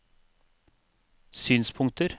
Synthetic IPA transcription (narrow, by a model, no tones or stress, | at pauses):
syːnspʰʊŋt̪əɾ